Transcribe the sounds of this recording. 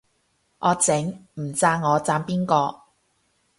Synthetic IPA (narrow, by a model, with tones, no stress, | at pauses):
ʔɔː˨˧t͡sɪ˨˥ŋm̩˨˩t͡saː˧ŋːɔː˨˧t͡saː˧mpiː˥nkɔː˧